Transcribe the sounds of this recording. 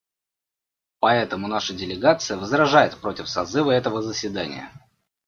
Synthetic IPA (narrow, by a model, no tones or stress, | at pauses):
pɐɛt̪əmʊnaʂədʲɪlʲɪɡat̪sɨjəvəzɾɐʐajɪt̪̚pɾo̞tʲɪfsɐzɨvəɛt̪əvəzəsʲɪd̪anʲɪ̰jə̰